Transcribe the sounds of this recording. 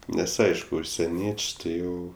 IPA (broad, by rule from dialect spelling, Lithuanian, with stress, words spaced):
ˈnʲɛs ˈɐɪʃkʊ ʊʃʲsʲɛˈnʲiɛt͡ʃʲ tʲɪ ˈjɛʊ